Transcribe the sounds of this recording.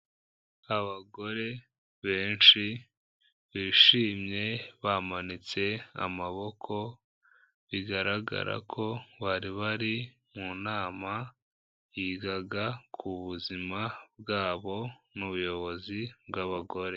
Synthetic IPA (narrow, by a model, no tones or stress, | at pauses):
aβaɡo̞ɾe̞ | βe̞ːnt͡ʃi | βiːʃiːmɲe̞βamanit͡se̞a̰maβo̞kʰo̞ | βiɡaɾaɡa̰ɾa̰kʰo̞βaɾiβaɾi | munaːma | jiːɡaɡakʰuβuzimab̚ɡaːβo̞nuβujo̞βo̞zibɡaβaɡo̞ɾe̞